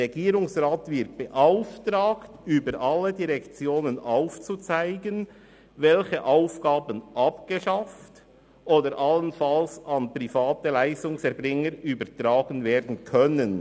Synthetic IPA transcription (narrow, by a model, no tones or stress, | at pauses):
ɛɡiːɾʊŋsʁaːtvɪɾt̚b̥əʔaʊftɾaːktyːbəɾʔɑlːədiʁɛkt͡sjoːnənʔaʊft͡sut͡saɪɡən | vɛlçəʔaʊfɡ̥aːbənʔɑpɡ̥əʃaft | ʔoːdəɾʔɑlənfɑlsɑnpr̥ifaːtəlaɪstʊŋsɛɐɾbɾɪŋəɾyːbəɾtɾaːɡənveːɾdn̩kʰœnən